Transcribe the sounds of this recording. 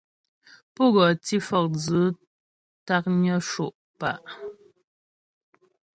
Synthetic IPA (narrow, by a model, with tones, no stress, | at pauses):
pɔ˦ɣɔ˨ti˦fɔ˨k̚d͡zə˨˦ | ta˦k̚ɲə˦ʃo˨ʔ | pa˨ʔ